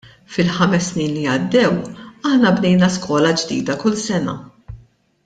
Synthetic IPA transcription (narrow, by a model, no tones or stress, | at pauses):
fɪlħɐmɛsːniːnliɐd̪ːɛwɐħnɐbnɛjnɐskɔːlɐd͡ʒd̪ḭːd̪ɐkʊlsɛnɐ̰